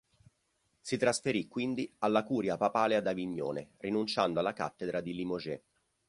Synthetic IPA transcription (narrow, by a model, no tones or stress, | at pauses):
sit̪ɾasfeɾikːwind̪ialːakuːɾjapapaːlead̪aviɲːo̰ːnḛrinunt͡ʃand̪oalːaka̰t̪ːed̪ɾad̪ilimoʒɛ̰